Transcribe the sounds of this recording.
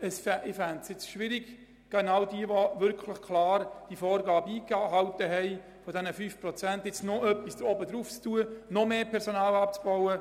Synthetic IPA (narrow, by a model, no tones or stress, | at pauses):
əsfɛʔɪfæntsjɪt͡sʃʋɪɾiɡ̥ | ɡ̥ɛnawdiəʋoʋʏɾkʰlɪχkʰlɑːɾd̥ifoːɾɡɑːbiːkɦɑwtəɦɛɪ | fɔdɛnəfyːfprɔt͡sɛntɪt͡snoʔœpːisɔbədɾuːft͡stuənɔmeːpʰɛɾsonɑːlɑp̚t͡sb̥ɔwə